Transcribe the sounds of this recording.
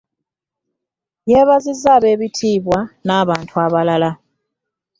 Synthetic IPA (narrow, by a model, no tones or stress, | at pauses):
jeβazizaβe̞ːβitʰiːβwanaːβaːntʰuaβalala